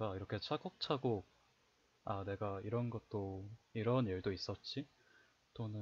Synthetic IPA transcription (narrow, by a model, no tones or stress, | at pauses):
ɡaiɾʌkʰe̞t͡ɕʰaɡʌk̚t͡ɕʰaɡo | ane̞ɡaiɾʌnɡʌt̚t͈oiɾʌniɭdois͈ʌt̚t͡ɕ͈i | t͈onɯ